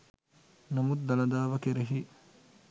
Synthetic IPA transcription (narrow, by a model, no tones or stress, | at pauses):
nɐmud̪ːɐlɐd̪aːʋɐkeɾeɦi